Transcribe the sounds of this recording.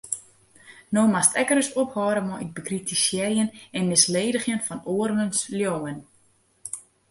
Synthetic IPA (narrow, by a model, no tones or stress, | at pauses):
noːmastʰɛkəɾəsophɔːɾəmɔʔɪk̚bəkritisjɛrjənɛnmɪsleːdəχjənfɔnoərʋənsljoːən